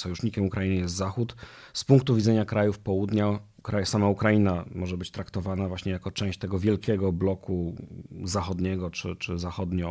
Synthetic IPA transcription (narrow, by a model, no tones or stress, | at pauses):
sɔjuʂɲikʲɛmukɾajinɘjɛst̪zaxut̪spuŋk̚t̪uvʲid̪ɛɲakɾajufpɔwud̪ɲa | kɾajsamaukɾajinamɔʐɛbɘt͡ɕt̪ɾakt̪ɔvanavwaɕɲɛjakɔt͡ʂɛ̃w̃ɕt͡ɕt̪ɛɡɔvʲjɛlkʲɛɡɔblɔkʰuzaxɔd̪ɲɛɡɔt͡ʂɘt͡ʂɘzaxɔd̪ɲɔ